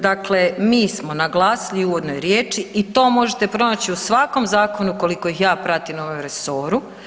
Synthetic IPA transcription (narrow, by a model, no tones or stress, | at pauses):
d̪akle̞miːsmo̞naɡlˠaːsiliuːʋo̞d̪no̞jɾjeːt͡ʃiit̪o̞ːmo̞ʒe̞t̪e̞pɾo̞nat͡ɕiusʋako̞mzaːko̞nuko̞liko̞ixjaːpɾat̪imnoʋomɾeso̞ːɾu